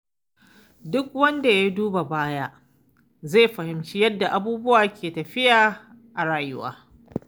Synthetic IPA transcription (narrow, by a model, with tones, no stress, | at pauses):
dʊ˦k̚wɐ˦nda˨ja˦duː˦ba˨baː˦ja˦ | zeː˦˨ɸɐ˨hɪ˨mt͡ʃiː˦jɐ˦dːa˨ʔa˨buː˦bʊ˦waː˨kʲeː˨tɐ˨ɸɪ˦jaː˨ | ʔa˨ɽaː˨jʊ˦wa̰ː˦